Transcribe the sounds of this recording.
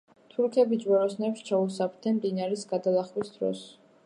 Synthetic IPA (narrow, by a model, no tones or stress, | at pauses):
t̪ʰuɾkʰɛbid͡ʒwɛɾɔsnɛpʃt͡ʃʰausapʰt̪ʰɛmd̪inaɾɛsɡad̪alˠaχwisd̪ɾɔ̰s